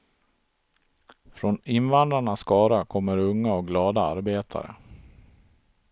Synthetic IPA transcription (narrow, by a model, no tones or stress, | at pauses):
fɾɔnɪnvand̪ɾaɳasːkɑːɾakʰɔmːəɾɵŋːaɔk̚ɡlɑːd̪aa̰ɾbeːt̪ʰa̰ɾə̰